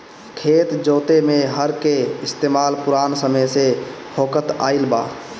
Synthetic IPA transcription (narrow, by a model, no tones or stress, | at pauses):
kʰeːt̪d͡ʒoːt̪emẽɦəɾkeɪst̪eːmaːlpʊɾaːnsəməjsehoːkət̪a̰ːɪlba̰ː